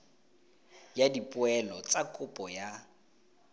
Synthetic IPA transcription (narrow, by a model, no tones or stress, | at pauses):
jadipʼʊɛlɔt͡sʼakʼʊpʼɔja